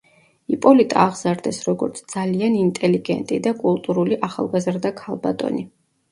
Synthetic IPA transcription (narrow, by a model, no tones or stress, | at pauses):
ipʼɔlit̪ʼa̰ːʁzaɾd̪ɛsɾɔɡɔɾt̪sʰd̪zalianint̪ʼɛliɡɛ̰nt̪ʼid̪akʼulˠt̪ʼuɾuliʔaχa̰lˠɡazɾd̪akʰalˠba̰t̪ʼɔ̰ni